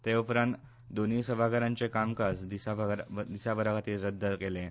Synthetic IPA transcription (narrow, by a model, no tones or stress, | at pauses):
t̪eupɾãnt̪ | d̪onisəbʱaɡəɾãɲt͡sekamkasd̪isabɾd̪isabəɾakat̪iːlɾəd̪ːəkelẽ